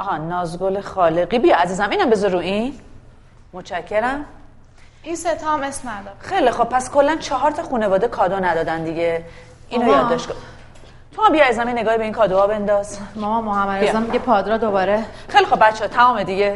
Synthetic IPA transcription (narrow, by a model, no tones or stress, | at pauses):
ʔɒːnɒːzɡolexɒːleɡibijɒæziːzæmiːnæmbezɔɾuin | mot͡ʃʰæcʰːeɾæm | inset̪ʰɒmesmnæd̪ɒxe̞jlixob̥̚pʰːæskʰolːænt͡ʃʰɒɦɒːɾt̪ʰɒxuːnevɒːd̪ekʰɒːd̪onæd̪ɒːd̪ænd̪iɟe | ʔiːnojɒːd̪ːɒʃt̪ko | t̪ʰomambijjizæmeneɡɒːhibe̞iːnkʰɒːd̪oɒːbe̞nd̪ɒzmɒmɔmːoɦæmːæd̪izæmːiɡepʰɒːd̪ɾɒd̪obɒɾexejlixo̞b̚bæt̪t͡ʃʰːet̪ʰæmɒːmed̪iɟe